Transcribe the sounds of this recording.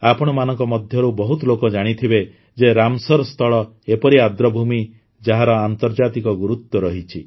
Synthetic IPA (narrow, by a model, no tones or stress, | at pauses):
apɔɽ̃ɔmanɔŋkɔmɔd̪ʱjɔɾubɔɦut̪lokɔd͡ʒaɽ̃it̪ʰibe | d͡ʒeɾamsɔɾɔst̪ʰɔɭɔ | epɔɾiad̪ɾɔbʱumi | d͡ʒaɦaɾɔant̪ɔɾd͡ʒat̪ikɔɡuɾut̪ːɔɾɔɦit͡ʃʰi